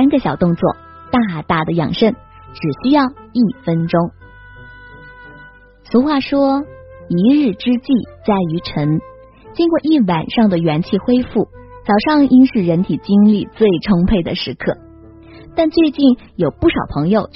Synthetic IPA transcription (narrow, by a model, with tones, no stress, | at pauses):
a˥nɡə˧ɕjɑ˨˩ʊt̪ʊ˥˧ŋt͡swɔ̰˥˩ | t̪a˥˧t̪a˥˩d̪ə˩jɑ̰˨˩ŋʂə˥˩n | ʈ͡ʂɻ̩˨˩ɕy˥jɑ˥˧ʊi˥˩fə˥nʈ͡ʂʊ˥ŋ | t͡sʰu˧˥xwa˥˩ʂwɔ˥i˧˥ɻɻ̩˥˩ʈ͡ʂɻ̩˥t͡ɕi˥˩t͡sa˥˩ɪy˧˥ʈ͡ʂʰə˧˥ŋ | t͡ɕi˥ŋkwɔ˥˧ʔi˥˩wa˨˩nʂɑ˥˩ŋd̪ə˩ɥɛ˧˥nt͡ɕʰi˥˩xwe˥ɪfu˥˩t͡sɑ˨˩ʊʂɑ˥˧ŋi˥nʂɻ̩˥˩ɻə˧˥nt̪ʰi˨˩t͡ɕi˥ŋli˥˧˩t͡swe˥˧ɪʈ͡ʂʰʊ˥ŋpʰe˥˩ɪd̪ə˩ʂɻ̩˧˥kʰɤ̰˥˩ | t̪a˥˧nt͡swe˥˧ɪt͡ɕi˥˩njo˨˩ʊpu˥˩ʂɑ˨˩ʊpʰɤ˧˥ŋjo˨˧ʊt͡ɕ